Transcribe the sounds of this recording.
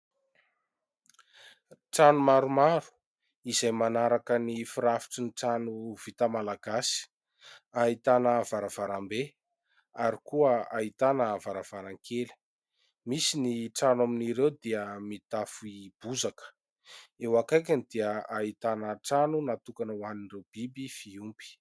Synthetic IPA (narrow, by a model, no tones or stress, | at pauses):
ʈ͡ʂanumaɾumaɾu̥ | izajmanaɾakənifiɾafi̥ʈ͡ʂiniʈ͡ʂanuv̥it̪amalaɡasi̥ | ait̪anəːvaɾav̥aɾambe | aɾikuəait̪anəːvaɾav̥aɾaŋkʰeli̥ | misiniʈ͡ʂanwaminiɾewd̪iəmit̪afuib̥uzakə̥ | ewakajkʲanid̪iəait̪anəʈ͡ʂanunat̪ukanəwaninrewb̥ibifiumpi̥